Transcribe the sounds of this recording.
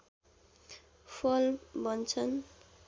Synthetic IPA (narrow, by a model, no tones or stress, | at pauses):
pʰʌlbʌnt͡sʰʌn